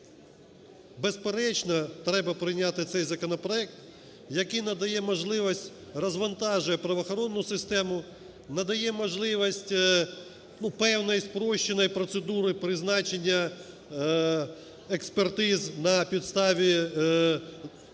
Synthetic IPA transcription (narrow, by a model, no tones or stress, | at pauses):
bespeɾɛt͡ʃnɐt̪ɾɛbɐpɾɪjnʲat̪ɪt̪sɛjzɐkɔnɔpɾɔɛk̚t̪ | jɐkijnɐd̪ɐjɛmɔʒlˠɪʋɐsʲtʲ | rɐzʋɐnt̪ɑʒʊjɛpɾɐʋɐxɔɾɔnːʊsɪst̪ɛmʊ | nɐd̪ɐjɛmɔʒlˠɪʋɔsʲtʲ | nupɛwnɔjspɾɔʃːenɔjpɾɔt̪sed̪uɾɪpɾɪznɑt͡ʃenʲːɐ | ekspert̪ɪznɐpʲid̪st̪ɑʋʲi